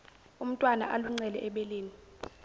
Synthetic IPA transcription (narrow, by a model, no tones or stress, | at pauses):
um̩tʼwana̰ʔaluŋ͡ǀɛlɛ̰ʔɛɓeleːni